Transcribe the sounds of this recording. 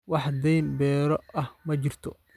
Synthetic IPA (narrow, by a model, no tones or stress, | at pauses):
wɑħd̪ɛjnbɛːɾɔɐhmɐt͡ʃɪrt̪ʰɔ̰